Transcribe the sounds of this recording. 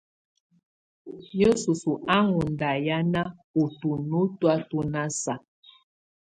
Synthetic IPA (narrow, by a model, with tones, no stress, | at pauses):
jo˦su˨su˨ʔa˦ŋu˨nda˨ja˦na˦u˨tu˨nu˦twa˦tu˦na˦sa˨